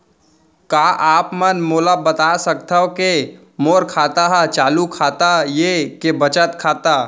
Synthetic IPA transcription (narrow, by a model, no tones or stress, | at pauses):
kaːʔaːpmənmoːlabət̪aːsəkt̪aɦoke | moːɾkʰaːt̪aɦɛt͡ʃaːlukʰaːt̪ajekebət͡ʃət̪kʰaːt̪a